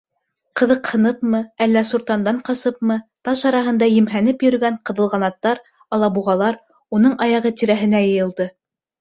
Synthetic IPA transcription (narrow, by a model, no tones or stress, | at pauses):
qɤ̆ðɤqhɤ̆nɤpmɤælːæsuɾt̪ɑnd̪ɑɴqɑsɤpmɤt̪ɑʃɑɾɑɦɤ̆nd̪ɑjɘ̆mɦænɘpjɵ̆ɾɵ̆ɡæɴqɤ̆ðɤ̆lˠʁɑnɑt̪ːɑɾ | ɑlˠɑbuʁɑlˠɑɾ | unɤɴɑjɑʁɤt̪iɾæɦɘ̆næjɤ̆jɤ̆lˠd̪ɤ